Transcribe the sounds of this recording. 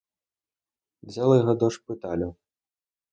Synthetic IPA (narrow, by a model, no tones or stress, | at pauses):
d͡zʲɛlˠɐjɣɔd̪ɔʂpɨt̪alʲɐw